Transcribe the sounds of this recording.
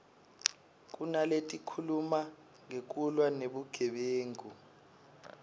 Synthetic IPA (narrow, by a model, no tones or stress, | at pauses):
k̬ʼunaletʼikʰuluma | ŋek̬ʼulwaneɓuɡ̥ʱɛɓeːŋu